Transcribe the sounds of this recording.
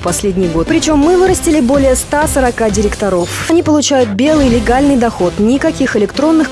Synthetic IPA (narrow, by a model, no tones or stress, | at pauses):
pɐsʲlʲedʲnʲɪjɡo̞t̪̚pɾʲɪt͡ɕo̞mːɨvɨɾəsʲtʲɪlʲɪbo̞lʲɪjəst̪asəɾɐkadʲɪɾʲɪkt̪ɐɾo̞fɐnʲipəlˠʊt͡ɕæjʊt̪̚bʲe̞lˠɨjlʲɪɡalʲnɨjd̪ɐxo̞t̪nʲɪkɐkʲixɪlʲɪkt̪ɾo̞nːɨx